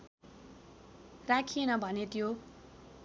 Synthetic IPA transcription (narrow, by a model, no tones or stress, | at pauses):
rakʰienʌbʱʌnet̪jo